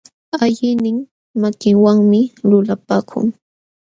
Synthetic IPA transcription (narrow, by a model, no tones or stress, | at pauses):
aʎɪnɪŋ | makɪŋwaŋmɪlʊlapaːkʰʊ̰ŋ